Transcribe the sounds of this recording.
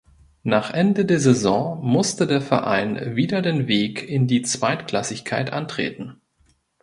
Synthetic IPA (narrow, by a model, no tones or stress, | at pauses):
naːχʔɛndədeːɐzɛzɔ̃ːmʊstədeːɐfɛ̰ɐʔa̰ɪnviːdɐdeːnveːkɪndiːt͡sv̥aɪtkl̥asɪçkʰaɪtʔa̰ntʁ̥ḛːtn̩